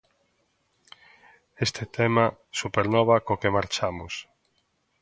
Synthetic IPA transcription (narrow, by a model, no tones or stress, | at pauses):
est̪et̪ɛmasupeɾnɔβakokemaɾt͡ʃamʊ̰s